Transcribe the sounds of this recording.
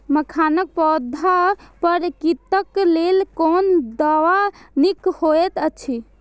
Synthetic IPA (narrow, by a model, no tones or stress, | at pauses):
məkʰanək̚pɔd̪ʱapəɾkit̪əklelkond̪awanikhoɛt̪ət͡ʃʰi